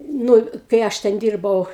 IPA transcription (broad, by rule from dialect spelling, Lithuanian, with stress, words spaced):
ˈnʊ kɐɪ ˈɐʃ tʲɛn ˈdʲiːrbɐʊ